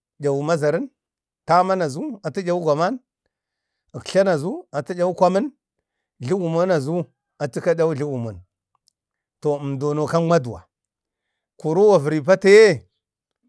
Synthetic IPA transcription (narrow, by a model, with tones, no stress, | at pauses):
d͡ʒa˨wu˨ma˦za˨ɾi˦n | ta˦ma˦na˨zu˦a˨ti˦d͡ʒʲa˨u˦ɡʷa˨ma˦n | ə˨kɬa˦na˨zu˦a˨ti˦d͡ʒʲa˦wu˦kʷa˦mə˦n | ɮi˦wu˨mo˦na˨zu˦ | a˨ti˦ka˦ɗa˦u˦ɮi˦wu˨mo˨n | to˨mdo˨no˨ka˦n˦mʷa˦du˨wa̰˨ | ku˨ɾu˦wa˨və˨ɾi˨p̬a˦te˦je˦